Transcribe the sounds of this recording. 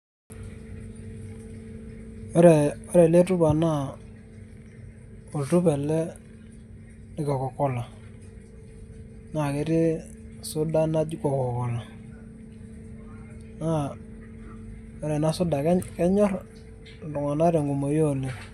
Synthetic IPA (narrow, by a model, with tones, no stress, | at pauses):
ɾɛ˨ɔ˦ɾɛ˨le˦tʊ˦ba˨na˦˨ | o˨ltʊ˦pɛ˨lɛ˦ | nɪ˨kɔ˨kɔ˨kɔ˦la˨ | na˨ke˨˦ɾɪ˦ | sʊ˦da˦na˦d͡ʒi˦kɔ˨kɔ˨kɔ˨la˨ | na˦˨ | ɔ˦ɾɛ˨na˦sʊ˦da˨˦kɛ˦ɲɔ˦r | dʊ˨ŋa˨na˦ɾe˨ŋɡu˨mo˨jo˦˨le˨